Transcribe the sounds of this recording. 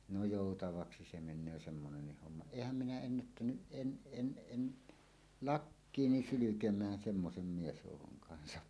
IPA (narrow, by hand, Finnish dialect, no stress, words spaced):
no joˑutɑʋɑksi se menˑøː semːonenːih homːɑ eˑihæm minæ enːætːænyʔ ʔen ʔen ʔen lɑkːiːni sylykemˑæːn semːosem miesjoˑukoŋ kɑnsɑ